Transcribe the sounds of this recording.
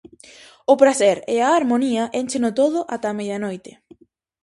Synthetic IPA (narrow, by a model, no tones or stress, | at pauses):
ʊpɾasɛɾɪaːɾmoniɐʔent͡ʃɪnʊt̪oðʊʔat̪amejðɐnojt̪ɪ